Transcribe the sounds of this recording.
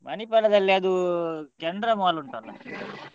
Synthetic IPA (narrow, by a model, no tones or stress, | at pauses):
mʔɐnipɛlɐd̪ɐlːeːd̪ukɛnd̪ɾɐmaːluɳʈɐnlːɐ